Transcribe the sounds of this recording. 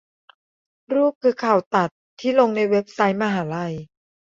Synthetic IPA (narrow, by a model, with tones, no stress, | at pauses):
ɾuː˥˩p̚kʰːɯː˧kʰa˨˩wt̪a˨˩t̪ʰːiː˥˩lo˧ŋna˧jwe˦˥p̚sa˦˥jmaː˧ɦaː˩˦la˧j